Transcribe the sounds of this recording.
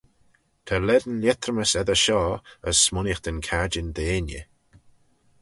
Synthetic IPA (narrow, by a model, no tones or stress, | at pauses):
t̪ʰalɛd̪ənlʲɛt̪ɾəməsɛðəʃɔːəsːmʊnəxd̪̥ənkʰad͡ʒɪnd̪eːnjə̰